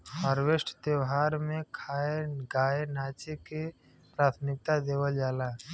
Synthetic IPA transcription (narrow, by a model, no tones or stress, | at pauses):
həɾwesʈʰt̪eːwɦaːɾmẽkʰaːeɡaːenaːt͡ʃeke | pɾaːt̪ʰmɪk̚t̪ad̪eːwəld͡ʒaːlaː